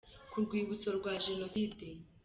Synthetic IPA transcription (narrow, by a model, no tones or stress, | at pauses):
kuɾɡwiːβut͡soɾɡwaʒenoside